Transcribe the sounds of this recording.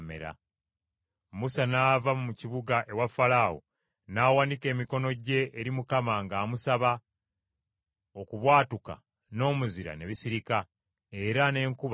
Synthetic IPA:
mḛɾa̰ | musanaːvamumuciβuɡaʔe̞wafalawo̰ | naːwandike̞ːmiko̞no̞ɟe̞ʔːɾimukamaŋɡaːmusaβa | o̞kuβwaːtuka̰ | no̞ːmuziɾa̰ne̞βisiɾika | e̞ɾane̞ːŋkuβ

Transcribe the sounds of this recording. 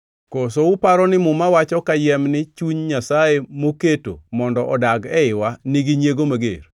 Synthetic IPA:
kosoʊpaɾɔnɪmʊmawat͡ʃɔkajɛmnɪt͡ʃuɲɲasaemoketo̰mɔndɔʔɔdaɡɛɪwaniɡiɲjeɡomaɡḛr

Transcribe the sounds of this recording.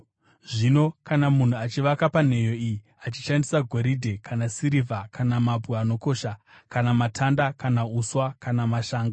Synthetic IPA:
ʐino̞kanamun̤uat͡ʃiʋakapan̤e̞jo̞iji | at͡ʃiʃandisaɡʱo̞ɾidʱe̞kʰanasiɾivʱakanamabʱuano̞ko̞ːʃa | kanamatʰandakanauswakanamaʃaːŋɡa

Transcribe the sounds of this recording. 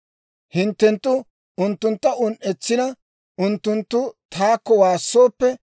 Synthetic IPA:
hɪnt̪ːɛnt̪ːʊ | ʊnt̪ːʊnt̪ːɐʔʊnʔɛt͡sːɪnɐ | ʔʊnt̪ːʊnt̪ːʊt̪ʰaːkːɔwaːsːo̞ːpːɛ

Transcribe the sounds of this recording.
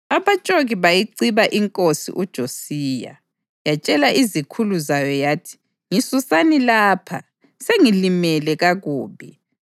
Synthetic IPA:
aβat͡ʃʼoɣiβajiǀiβaʔiŋkʼosḭʔud̥ʒ̥ʱosiːja̰ | jat͡ʃʼɛlaʔizikʰuluzajɔjaːtʰi̥ | ŋisusanilaːpʰa̰ | seŋilimɛlɛɣaɣuːβi

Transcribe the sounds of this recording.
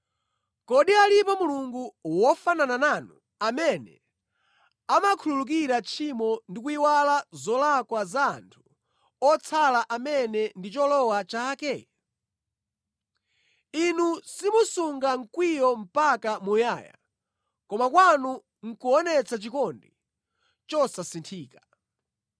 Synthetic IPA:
kɔɗialipɔmuluŋɡuwɔfananananu | amɛnɛ̰ | amakʰululuk̬iɾat͡ʃʰimɔndik̬uiwalazɔlakwaza̰ːntʰu̥ | ɔt͡sʰalaʔamɛnɛndit͡ʃɔlɔwat͡ʃaːkɛ | inusimusuŋɡaŋ̩kwijɔm̩pakamujaːja̰ | kɔmakwanu | ŋ̩kuɔnɛt͡sat͡ʃikɔndi | t͡ʃɔsasintʰiːkḁ

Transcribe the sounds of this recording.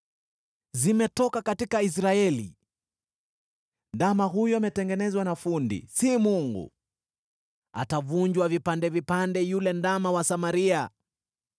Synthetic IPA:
zimɛtɔkakatikais̬ɾaɛlḭ | ndamaɦujɔamɛtɛŋɡɛnɛzwanafundḭsimuŋɡṵ | a̰tavuɲd͡ʒwavipandɛvipandɛjulɛndamawasamaɾia

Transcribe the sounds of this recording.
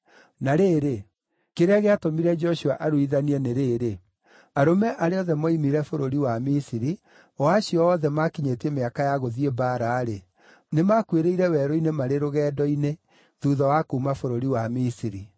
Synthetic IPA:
naɾeːɾe | keɾaɣeatomiɾɛd͡ʒɔɕuaʔaɾoiðaniɛneɾeːɾe | aɾomɛʔaɾeɔðɛmɔimiɾɛfoɾoɾiwamisiɾi | ɔaɕiɔːðɛmakiɲetiemeakajaɣoðiebaɾaːɾe | nemakweɾeiɾɛwɛːɾɔinemaɾeɾoɣɛːdɔine | ðuːðɔwakomafoɾoɾiwamisiɾi

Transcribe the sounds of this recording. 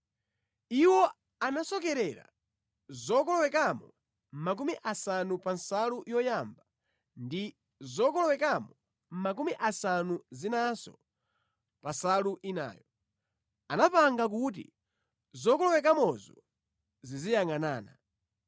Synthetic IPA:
iwɔ | anasɔkɛɾɛɾa̰ | zɔkɔlɔwɛkamɔ | mak̬umiʔasanupansalujɔjamba | ndi | zɔkɔlɔwɛkamɔ | mmak̬umiʔasanuzinasɔ̰ | pasaluʔina̰ːjɔ | anapaŋɡak̬ut̬ḭ | zɔkɔlɔwɛk̬amɔzɔ | zizijaŋanaːna̰

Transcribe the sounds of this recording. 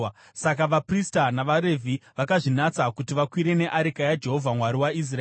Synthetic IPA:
sakaʋapristanaʋaɾe̞vʱiʋakaʐinat͡sakutiʋakwiɾe̞ne̞ʔaɾikajad͡ʒe̞ɦo̞vʱamwaɾiwais̬raeː

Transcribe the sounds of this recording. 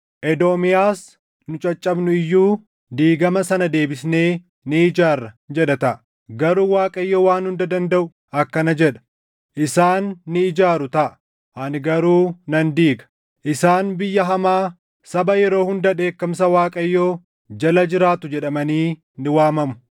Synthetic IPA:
ʔɛd̪oːmɪjaːs | nʊt͡ʃʼɐt͡ʃʼːɐbnʊɪjːuː | d̪iːɡɐmɐsɐnɐd̪e̞ːbɪsne̞ː | nɪɪd͡ʒaːrːɐd͡ʒɛᶑɐt̪ɐʔɐ | ɡɐɾuːwaːkʼɐjːoːwaːnhʊnd̪ɐd̪ɐnd̪ɐʔʊ | ɐkːɐnɐd͡ʒɛᶑɐ̥ | ʔɪsaːnːɪːd͡ʒaːɾʊt̪ɐʔɐ | ʔɐnɡɐɾuːnɐnd̪iːɡɐ̥ | ʔɪsaːnbɪjːɐɦɐmaː | sɐbɐjɛɾo̞ːhʊnd̪ɐᶑe̞ːkːɐms̬ɐwaːkʼɐjːoː | d͡ʒɐlɐd͡ʒɪɾaːt̪ʊd͡ʒɛᶑɐmɐniː | nɪwaːmɐmʊ̥

